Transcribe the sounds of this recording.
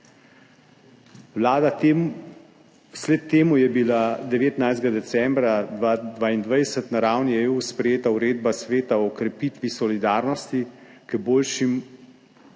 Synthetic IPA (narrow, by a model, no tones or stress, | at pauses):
wlaːd̪a | slɛt̪ːeːmujɛbilad̪ɛʋeːt̪najzd̪ɡad̪ɛsɛmbɾad̪ad̪ʋaind̪ʋajɛsət̪naɾaːwnieːuspɾɛjeːt̪auɾeːd̪basʋeːt̪aɔkɾɛpiːt̪ʋisɔlid̪aːɾnɔst̪ikəboːlʃim